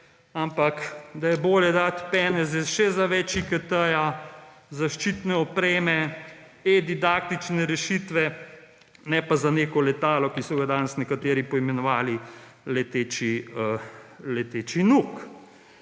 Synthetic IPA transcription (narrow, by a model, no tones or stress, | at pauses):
ampakd̪ajɛboːljɛd̪at̪pɛːnɛzɛʃɛzaʋɛt͡ʃikət̪əja | zaʃt͡ʃit̪nɛɔpɾeːmɛ | ed̪id̪aːk̚t̪it͡ʃnɛɾɛʃit̪ʋɛ | nɛpazaneːkɔlɛt̪aːlɔkisɔɡad̪aːnɛsnɛkat̪eːɾipɔimɛnɔʋaːli | lɛt̪eːt͡ʃiəlɛt̪eːt͡ʃinuk